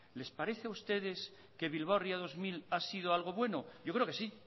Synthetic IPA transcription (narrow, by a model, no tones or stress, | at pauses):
le̞spaɾe̞θeaust̪e̞ðe̞s | ke̞βilβ̞awriaðo̞zmilasið̞oalɣ̞o̞βwe̞no̞ɟ͡ʝokɾeo̞kesi